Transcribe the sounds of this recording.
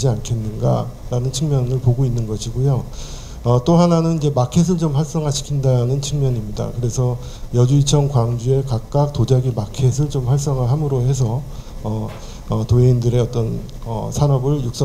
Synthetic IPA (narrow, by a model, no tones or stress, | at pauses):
d͡ʑiankʰe̞nːɯnɡa̰ɾanɯnt͡ɕʰɯŋmjʌnɯɭpoɡoinːɯnɡʌɕʰiɡojo | ʌt͈oɦananɯnid͡ʑe̞makʰe̞s̬ʰɯɭt͡ɕomɸwaɭs͈ʌŋɦaɕʰi̥kʰindanɯnt͡ɕʰɯŋmjʌɲimɲida̰kɯɾe̞sʰʌ | jʌd͡ʑuit͡ɕʰʌŋkwaŋd͡ʑie̞kak̚k͈ak̚tod͡ʑaɡimakʰe̞s̬ʰɯɭt͡ɕomɸwaɭs͈ʌŋɯɭɦamɯɾoɦe̞s̬ʰʌʌ | ʌtoeindɯɾe̞ʌt͈ʌn | ʌ̰sʰanʌbɯɭjuk̚s͈